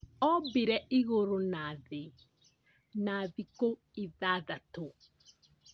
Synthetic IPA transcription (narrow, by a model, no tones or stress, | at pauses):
ɔbeɾɛiɣoɾonaðe | naðiko | eðaðato